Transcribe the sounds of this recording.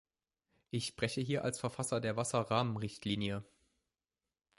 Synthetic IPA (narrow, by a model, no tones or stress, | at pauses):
ʔɪçʃpʁ̥ɛçəɦiːɐʔa̰lsfɛɐfasɐdeːɐvasɐʁaːmənʁɪçtʰliːnjə